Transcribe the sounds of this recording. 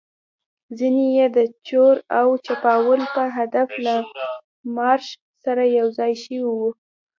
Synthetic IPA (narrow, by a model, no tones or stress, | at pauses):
zinejed̪ət͡ʃoɾawt͡ʃapɑwəlpəɦad̪afla | mɑɾʃ | saɾajawzɑjʃəwiwu